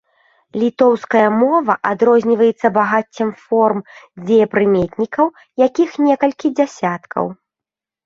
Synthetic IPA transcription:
lʲit̪ɔwskɐjɐmɔvɐʔad̪ɾɔzʲnʲivɐjɛt̪sːɐbaɣat͡sʲːɐmfɔrmd͡zʲɛjɛpɾɨmʲɛt̪ʲnʲikɐw | jakʲixnʲɛkɐlʲkʲid͡zʲasʲat̪kʰɐ̰w

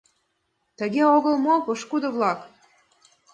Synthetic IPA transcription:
t̪ə̆ɣeoɣə̆lˠmopəʃkud̪ŏβlɑk

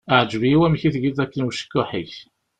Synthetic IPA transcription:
əʕd͡ʒviiwæmçiθɡiðækːənwuʃə̥kːʊħiç

